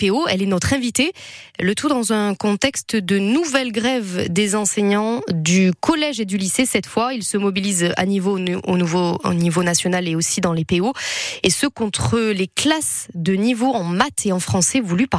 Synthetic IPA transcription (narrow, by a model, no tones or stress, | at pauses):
peoɛlɛnɔt̪χɛ̃vit̪elət̪ʰud̪ɑ̃zɛ̃kɔ̃t̪ɛkst̪d̪ənuvɛlɡʁɛvd̪ezɑ̃sɛɲɑ̃d̪ykɔlɛʒed̪ylisesɛt̪fwailsəmɔbiliza̰nivoonuvo̰nivonasjɔnaleosid̪ɑ̃lepeoesəkɔ̃t̪χəleklasd̪ənivoɑ̃mat̪ʰeɑ̃fχɑ̃sɛvulypa